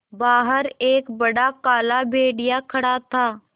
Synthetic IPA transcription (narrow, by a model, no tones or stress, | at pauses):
baːɦəɾeːkbɐɽakaːlabʱeːɽɪjakʰɐɽat̪ʰaː